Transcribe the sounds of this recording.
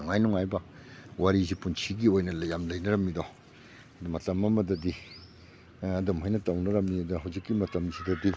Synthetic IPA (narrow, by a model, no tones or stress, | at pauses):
ɔŋajnɔŋajbɐwaɾizipunsʰiɡiojnɐljamlɐjnɐɾɐmːido | dumɐtɐmɐmɐdɐdi | ɐdɐmɦajnɐtɐwnɐɾɐmːiɐdɐɦɐwzikːimɐtɐmzidɐdi